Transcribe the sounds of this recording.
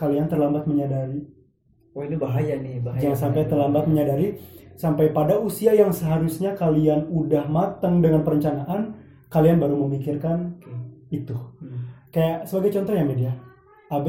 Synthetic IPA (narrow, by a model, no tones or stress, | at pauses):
kaliant̪ərlambat̪̚məɲadaɾi | oinibaɦajanɪbajasampajt̪ərlambat̪̚məɲadaɾisampajpadausiajaŋsəɦaɾusɲakalianudahmat̪əŋdəŋanpəɾəɲt͡ʃanaʔan | kalianbaɾuməmikirkan | it̪u | kajasəbaɡajt͡ʃɔnt̪ɔɦjamedia | ab